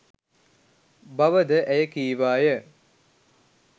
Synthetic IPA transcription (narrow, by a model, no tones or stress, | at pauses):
baʋəd̪əʔæjəkiːʋaːjə